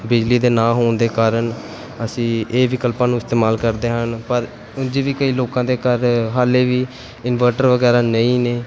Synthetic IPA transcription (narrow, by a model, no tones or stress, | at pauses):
bɪd͡ʒliːd̪eːnãːɦoːnd̪eːkaːɾən | əsĩːeːʋɪkəlpãːnũːɪst̪eːmaːlkəɾd̪eːɦənpəɾ | ʊnd͡ʒeːʋiːkəiːloːkãːd̪eːkəɾɦaːleːʋiː | ɪnʋəɾʈəɾʋəɡɛːɾaːnəĩːneː